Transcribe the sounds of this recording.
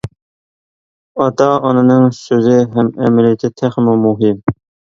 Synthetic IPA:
ɑt̪ʰɑɑnɨnɨŋsøzɪɦɛmɛ̰mɪlijɪt̪ʰɪt̪ʰæχmumuɦɪm

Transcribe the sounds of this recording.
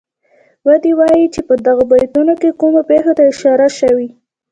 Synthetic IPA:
wad̪ewɑjit͡ʃepəd̪aɣabɑjt̪unokekumapexot̪aɪʃɑɾaʃawi

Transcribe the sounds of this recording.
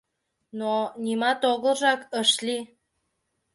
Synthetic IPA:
nonʲimɑt̪oɣəlʒɑkəʃli

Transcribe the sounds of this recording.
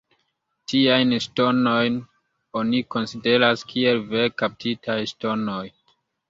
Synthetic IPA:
tiajnʃto̞no̞jn | o̞niko̞nside̞ɾaskʰie̞lve̞kap̚tʰitʰajʃto̞no̞j

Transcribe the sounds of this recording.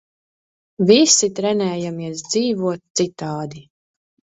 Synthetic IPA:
visit̪ɾɛnɛːjamiɛs̬d̪ziːvuɔt̪̚t̪sit̪aːd̪i

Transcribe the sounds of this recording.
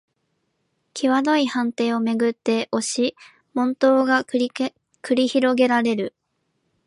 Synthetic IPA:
kʲʰiβad̪o̞ihãnt̪e̞ːo̞me̞ɡɯ̟t̪ːe̞ʔo̞ɕi | mõ̞nt̪o̞ːɡa | kɯ̟ɾʲiçiɾo̞ɡe̞ɾaɾe̞ɾɯ̟

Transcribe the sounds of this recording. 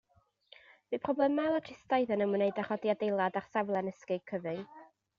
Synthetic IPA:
viːpʰrɔblˠɛmalˠatʰɪstajðənəmənejdaχɔdiadejlˠadarsavlˠɛnəskɪɡ̥̚kʰəvɨŋ

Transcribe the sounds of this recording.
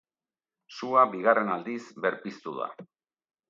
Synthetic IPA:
suabiɣare̞nald̪isbe̞ɾpist̪uða̰

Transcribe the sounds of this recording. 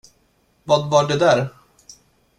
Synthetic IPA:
vɑːd̪vaɖɛd̪æɾ

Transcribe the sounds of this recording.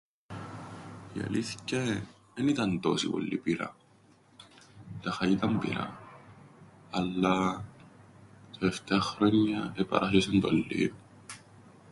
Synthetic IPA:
jɐ̰liθce | enit̪ɐnt̪o̰sḭpo̰lːḭpiɾɐ̰ | t̪ɐxɐit̪ɐmpḭɾɐ̰ | ɐlːa | t̪oeft̪eɐxɾoɲːɐepɐ̰ɾʔaʃesent̪olːḭː

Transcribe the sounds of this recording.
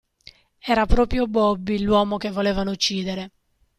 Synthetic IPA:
ɛːɾapɾɔːpɾjobɔbːilwɔːmok̟evːoleːvanout͡ʃːiːd̪eɾe

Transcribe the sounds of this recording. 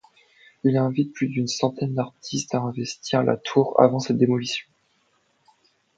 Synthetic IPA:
ilɛ̃vit̪̚plyd̪ynsɑ̃t̪ɛnd̪aʁt̪ʰist̪aɛ̃vɛst̪ʰiʁalʔa̰t̪ʰuʁa̰vɑ̃sɛt̪̚d̪emɔlisjɔ̃

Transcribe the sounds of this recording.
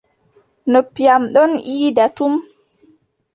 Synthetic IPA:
nopːijamɗɔnʔiːdatum

